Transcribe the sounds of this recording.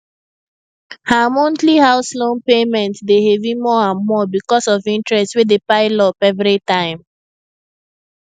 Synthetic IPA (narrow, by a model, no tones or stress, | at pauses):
hamɔ̃ntlihaʊslõnpemɛ̃ntdehevimɔãnmɔbikɔsɔvĩntɹɛstswedepaɪlɔpɛvɹitãɪ̃m